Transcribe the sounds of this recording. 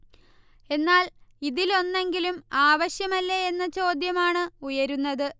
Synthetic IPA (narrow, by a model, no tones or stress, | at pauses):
e̞nːaːliðilo̞nːe̞ŋɡilumaːʋɐɕjɐmɐlːeenːɐt͡ɕo̞ːd̪jɐmaːɳɨujɐɾunːɐðɨ